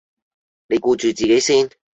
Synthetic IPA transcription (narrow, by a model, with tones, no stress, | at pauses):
ne˨˧jkuː˧t͡ʃyː˨t͡siː˨ke˨˥jsiː˥n